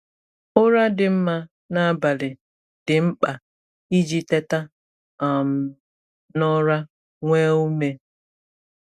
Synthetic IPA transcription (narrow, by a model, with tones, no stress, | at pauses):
ʊ˦ɾa˦dɪ˨m̩˦ma˦ | na˦ba˨lɪ˨ | dɪ˨m̩˦k͡pa˨ | i˦d͡ʒi˦te˦ta˦ | a˨m̩˨ | nɔ˦ɾa˦ | ŋʷe˦u˦me˦